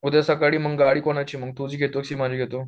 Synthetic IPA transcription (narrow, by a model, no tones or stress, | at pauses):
ud̪asəkaɽiːməɡɡaɽiːkoɽ̃ajt͡ɕiːməɡ̚t̪ud͡ʑiːɡʱet̪okɕiːmad͡ʑʱiɡʱet̪o